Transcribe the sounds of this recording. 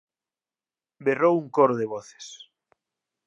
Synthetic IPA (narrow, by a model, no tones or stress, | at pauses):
berowuŋkoɾoðeβɔθe̥s